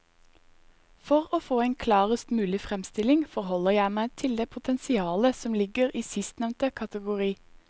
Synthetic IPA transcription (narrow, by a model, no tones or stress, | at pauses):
fɔʁoːfoːeːnkʰlɑːʁəst̪mʉːlɪfʁɛmst̪ɪlɪŋfɔʁhɔləjæɪmæɪt̪ʰɪld̪eːpʰʊt̪ʰɛnsɪɑːləsɔmlɪɡəʁiːsɪst̪nɛʋnt̪əkʰɑt̪əɡʊʁiː